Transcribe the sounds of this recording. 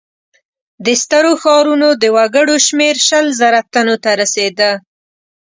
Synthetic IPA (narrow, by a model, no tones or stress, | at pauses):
d̪əst̪əɾoxɑɾunod̪əwaɡəɽoʃmeɾʃəlzəɾat̪anot̪aɾased̪ə